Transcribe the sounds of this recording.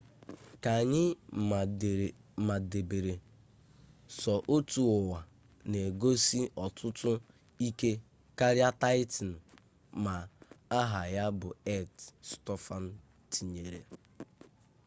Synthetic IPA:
ka˨ɲɪ˦˨ | ma˨de˨be˨ɾe˨ | sɔ˨ʔo˦tu˨ʊ˨wa˨ | ne˨ɡo˦si˦ɔ˨tʰʊ˦tʊ˦ | i˦ke˦ | ka˦ɾja˦ta˦ɪ˦tn̩˨ | ma˨a˦ɦa˨ja˦bʊ˨e˦tstɔ˦fa˦n̩˦ | ti˨ɲe˨ɾe˨

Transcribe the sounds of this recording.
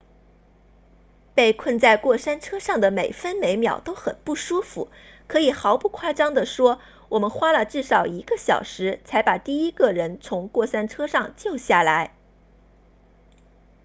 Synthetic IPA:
pe˥˧ɪkʰwə˥˧nt͡sa˥˧ɪkwɔ˥˩ʂa˥nʈ͡ʂʰɤ˥ʂɑ˥˩ŋd̪ə˩me˨˩ɪfə˥nme˧˥ɪmjɑ̰˨˩ʊt̪o˥ʊxə˨˩npu˥˩ʂu˥fṵ˨˩ | kʰɤ˧˥i˨˩xɑ˧˥ʊpu˥˧˩kʰwa˥˩ʈ͡ʂɑ˥ŋd̪ə˨ʂwɔ˥ | wɔ˨˩mə˧˦nxwa˥lə˨ʈ͡ʂɻ̩˥˩ʂɑ˨˩ʊi˧˥ɡ̥ə˧ɕjɑ̰˨˩ʊʂɻ̩˧˥t͡sʰa˧˥ɪpa˨˩t̪i˥˩i˥ɡə˨ɻə˧˥nt͡sʰʊ˧˥ŋkwɔ˥˩ʂa˥nʈ͡ʂʰɤ˥ʂɑ˥˧ŋt͡ɕjo˥˧ʊɕja˥˩la˧˥ɪ

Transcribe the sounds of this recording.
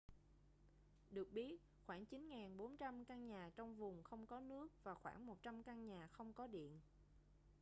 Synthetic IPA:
ɗɨ˨˩ək̚ɓi˦˥ət̚ | xwaː˧˩ŋt͡ɕi˨˦nŋaː˨˩nɓo˨˦nt͡ɕa˧mkaː˧ŋɲaː˨˩t͡ɕɔ˧wŋ͡mvʊ˨˩ŋ͡mxə˧wŋ͡mkɔ˨˦nɨ˦˥ək̚vaː˨˩xwaː˧˩ŋmo˨˩t̚t͡ɕa˧mkaː˧ŋɲaː˨˩xə˧wŋ͡mkɔ˨˦ɗḭ˧˨ən

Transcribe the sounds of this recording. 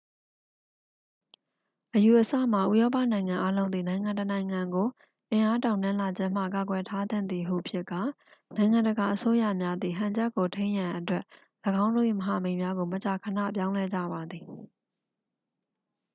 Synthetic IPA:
ʔəju˨ʔəsa̰˦˨m̥a˨ʔu˦jɔ˦pä̰˦˨nã˨ɪ̃ŋã˨ʔa˦lõ˦ʊ̃nd̪ði˨nã˨ɪ̃ŋã˨ntənã˨ɪ̃ŋã˨ŋɡo˨ | ʔɪ̃˨ʔa˦tã˨ʊ̃nã˦la˨d͡ʑɪ̃˦˨m̥ä̰˦˨ka˨ɡwɛ˨tʰa˦d̪ɪ̰̃˦˨nd̪i˨ɦṵ˨ʔəpʰjɪ˦ʔkːa˨ | nã˨ɪ̃ŋã˨ndəɡa˨ʔəso˦jä̰˦˨mja˦d̪ði˨ɦã˨ɲd͡ʑɛ˦ʔkːo˨tʰẽ˦ɪ̃jã˨ʔətwɛ˦ʔ | ləɡã˦ʊ̃ndo˦˨ʔḭ˦˨məɦa˨mẽ˨ɪ̃mja˦ɡo˨mət͡ɕa˨kʰə˨na̰˦˨p̬jã˦ʊ̃lɛ˦˨d͡ʑä̰˦˨ba˨d̪ði˨

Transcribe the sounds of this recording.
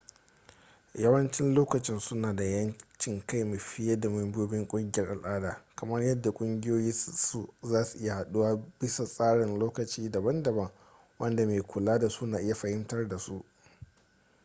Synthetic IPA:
jɐ˦wɐ˦nt͡ʃɪ˦nloː˦kɐ˨t͡ʃɪ˦nsʊ˦naː˨da˨jɐ˦nt͡ʃɪ˦˨ŋka˦jme˨ɸɪ˦ja˦da˨mɐ˦mbɪ˦oː˦bɪ˦ŋkʷʼʊ˦ŋɡʲɪ˦jɐ˦rʔa˨lʔaː˦daː˨kɐ˨mɐ˦rjɐ˦dːa˨kʷʼʊ˦ŋɡʲɪ˦joː˦ji˦su˦zaː˦su˨ʔɪ˦ja˨ha˨ɗu˦waː˦bɪ˦sa˨sʼaː˦ɽɪ˨nloː˦kɐ˨t͡ʃiː˦dɐ˨bɐ˦ndɐ˨bɐ˦ŋ | wɐ˦nda˨me˨kʷʰʊ˨laː˦da˨su˦naː˨ʔɪ˦ja˨ɸɐ˨hɪ˦mtɐ˦rda˨su˦ʔ

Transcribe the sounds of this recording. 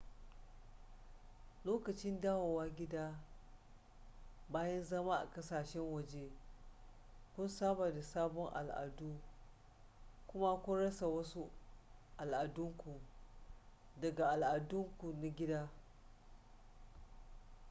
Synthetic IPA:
loː˦kɐ˨t͡ʃɪ˦ndaː˦woː˨waː˦ɡʲɪ˦daː˦ | baː˦jɐ˦nzɐ˦ma˦ʔa̰˨kɐ˦saː˨ʃɛ˦ŋwɐ˨d͡ʒe˦ | kʷʊ˦nsaː˦ba˨da˨saː˦bɔ˦ŋʔa̰˨lʔa̰˨duː˦ | kʷʊ˦ma˦kʷʊ˦nɽɐ˦sa˨wɐ˦su˦ʔa˨lʔa˨dʊ˦ŋkʷu˨ | dɐ˨ɡa˨ʔa˨lʔa˨dʊ˦ŋkʷu˨na˨ɡʲɪ˦daː˦

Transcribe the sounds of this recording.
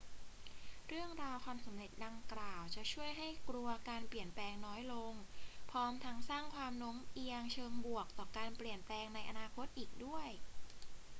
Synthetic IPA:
ɾɯ˥˩əŋɾaː˧wkʰaː˧msa˩˦mɾe˨˩t̪̚da˧ŋklaː˨˩wt͡ɕa˨˩ʔt͡ɕʰu˥˩əjɦa˥˩jkɾu˧ɐkaː˧npli˨˩ənplɛː˧ŋnɔː˦˥jlo˧ŋpʰɔː˧˥mt̪ʰa˦˥ŋsaː˥˩ŋkʰwaː˧mno˦˥ŋʔi˧əŋt͡ɕʰɤː˧ŋbu˨˩ək̚t̪ɔː˨˩kaː˧npli˨˩ənplɛː˧ŋna˧jʔa˧naː˧kʰo˦˥t̪̚ʔiː˨˩k̚du˥˩əj

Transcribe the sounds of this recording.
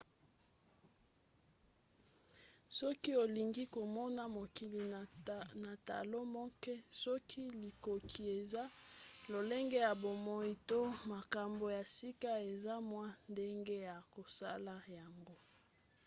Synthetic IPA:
sɔ˦ki˦o˨li˨ŋɡi˦ko˨mɔ˦na˦mo˨ki˨li˨na˨ta̰˨lo˦mɔ˦kɛ˦sɔ˦kʰi˦li˨ko˨kʰi˨e˨za˦lo˨le˦ŋɡe˦ja˨bo˨mɔ˦i˦to˦ma˨ka˨mbo˨ja˨si˦ka˦e˨za˦mwa˦nde˦ŋɡe˦ja˨ko˨sa̰˦la˦ja˨ŋɡo˦

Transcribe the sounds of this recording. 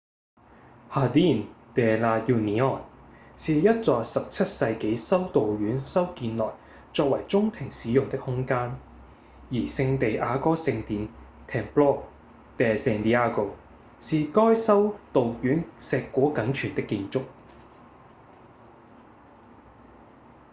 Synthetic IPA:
haː˨˧d̪iː˥nt̪ɛː˨laː˧t̚ji˧niː˨˥ɔː˨˩nsiː˨jɐ˥t̚t͡sɔː˧sɐ˨p̚t͡sʰɐ˥t̚sɐ˧jke˨˥jsɐ˥wt̪o˨wjyː˨˥nsɐ˥wkiː˧nlɔː˨j | t͡sɔː˧k̚wɐ˨˩jt͡sʊ˥ŋt̪ʰɪ˨˩ŋsiː˨˥jʊ˨˩ŋt̪ɪ˥k̚hʊ˥ŋkaː˥n | jiː˨˩sɪ˧ŋt̪e˨jʔaː˨˧kɔː˥sɪ˧ŋt̪iː˨˧n | t̪ʰɛː˨˩nplɔː˥ | t̪ɛː˨sɛ˧nt̪iː˧aː˥ko˨˩w | siː˨kɔː˥jsɐ˥wt̪o˨wkyː˨˥nsɛː˧kʷːɔː˨˥kɐ˨˥nt͡ʃʰyː˨˩nt̪ɪ˥kːiː˧nt͡sʊ˥k̚

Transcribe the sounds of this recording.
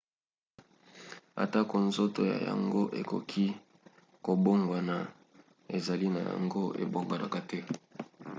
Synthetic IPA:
a̰˨ta˦ko˨nzo˦to˨ja̰˨ja̰˨ŋɡo˦ʔe˨ko̰˨kʰi˦ | ko˨bo˦ŋɡwa˨na˨ | e˨za˨li˦na˨ja̰˨ŋɡo˦ʔḛ˨bo˦ŋɡa˨la̰˨ka˨tɛ˦

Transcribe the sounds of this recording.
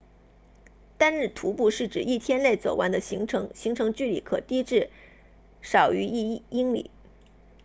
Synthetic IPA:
t̪a˥nɻɻ̩˥˩t̪ʰu˧˥pu˥˧ʂɻ̩˥˩ʈ͡ʂɻ̩˨˩i˥˩t̪ʰjɛ˥nle˥˩ɪt͡so˨˩ʊʔa̰˧˥nd̪ə˧ɕi˧˥ŋʈ͡ʂʰɤ˧˥ŋɕi˧˥ŋʈ͡ʂʰɤ˧˥ŋt͡ɕy˥˩lḭ˧˩kʰɤ̰˨˩t̪i˥ʈ͡ʂɻ̩˥˩ | ʂɑ˨˩ʊy˧˥i˥˧˥i˥ŋlḭ˨˩˦

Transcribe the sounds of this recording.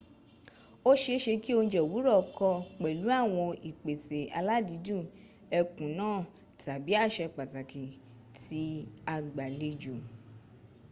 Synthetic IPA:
o˦ʃe˧ʃe˧ki˦o˧ñ̩˧d͡ʒɛ˨wu˨˦ɾɔ˦˨kɔ˧k͡pɛ˨lu˨˦a˦˨w̃ɔ̃˧i˨k͡pe˨te˨a̰˧la˦di˨˦dũ˦˨ | ɛ˧kũ˨nãː˦˨ | ta˨bi˨˦a˦˨ʃɛ˧k͡pa˨ta˨ki˨ | ti˨˦a˧ɡ͡ba˨le˧d͡ʒo˨

